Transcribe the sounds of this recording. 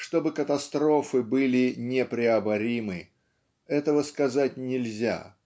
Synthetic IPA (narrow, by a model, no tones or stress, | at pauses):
ʂt̪o̞bɨkət̪ɐst̪ɾo̞fɨbɨlʲɪnʲepɾʲɪɐbɐɾʲimɨ | ɛt̪əvəskɐzatʲnʲɪlʲzʲa̰